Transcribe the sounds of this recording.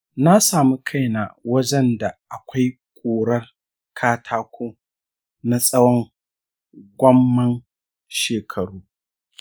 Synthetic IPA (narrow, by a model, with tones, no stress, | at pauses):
na˦saː˨mu˦kʰa˦jna˨wɐ˦d͡ʒɛ˦nda˨ʔa˨kʷa˦j | kʷʼoː˨ɽɐ˦r | kʰaː˦tʰaː˦kʷoː˦ | na˦sʼɐ˦wɔ˦ŋ | ɡʷɐ˦mːɐ˦n | ʃeː˨kʰɐ˨ɽuː˦